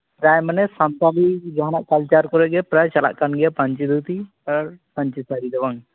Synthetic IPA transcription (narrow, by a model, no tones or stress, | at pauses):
pɾajmənɛsamt̪alid͡ʒaɦanaʔkalt͡ʃaɾkɔɾɛʔɡɛpɾajt͡ʃala̰ʔkanɡɛapɐɲt͡ʃid̪ut̪i | aɾpɐɲt͡ʃisaɾid̪ɛwaŋ